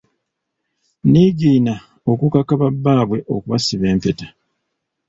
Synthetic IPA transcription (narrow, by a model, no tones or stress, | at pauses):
niɡiːna | okukakaβabːaːβwe̞ʔo̞̰kuβasiβe̞ːmpe̞tḁ